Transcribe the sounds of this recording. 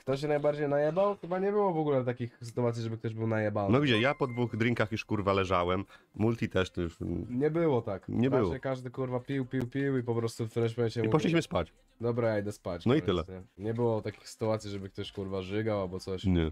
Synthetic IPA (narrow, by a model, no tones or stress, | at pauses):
kt̪ɔɕ̬ɛnajbaɾd͡ʑejnajɛbawxɘbaɲɛbɘwɔvɔɡulɛt̪akʲixsɘ̥t̪uat̪sʲiʐɛbɘk̚t̪ɔʑbɘwnajɛbannɔɡʲid͡ʑɛjapɔd̪vuɣd̪ɾʲiŋkaxjuʂkuɾvalɛʐawɛmːult̪ʲit̪ɛʂt̪ɔjuʂɲɛbɘwɔt̪akɲɛbɘwɔɛkaʐd̪ɘkuɾvapʲiwpʲiwpʲiwipɔpɾɔst̪ut̪ɾɛpamɛnt͡ɕɛmiupɔt͡ʃliɕmɘspat͡ɕ | d̪ɔbɾajaid̪ɛspat͡ɕnɔit̪ɘlɛɲɛɲɛbɘwɔt̪akʲi̥xsɘ̥t̪uat̪sʲiʐɛbɘk̚t̪ɔɕkuɾvaʐɘɡawalbɔt̪sɔɕɲɛ